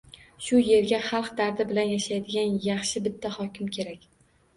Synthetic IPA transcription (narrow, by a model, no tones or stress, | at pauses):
ʃʊje̞ɾɡʲaχɑlˠqd̪aɾd̪ɪbɪlanjaʃajd̪ɪɡʲanjɑχʃɪbɪt̪ʰːahɒkʲʰɪmkʲʰe̞ɾakʲ